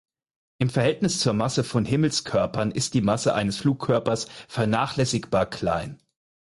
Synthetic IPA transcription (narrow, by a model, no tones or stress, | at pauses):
ʔɪmfɛɐhɦɛltnɪst͡suːɐmasəfɔnhɪml̩skʰœɐpʰɐnʔɪst̚d̥iːmasəʔa̰ɪnəsfluːkʰːœɐpɐsfɛɐnaːχlɛsɪkb̥aːɐkʰl̥a̰ɪn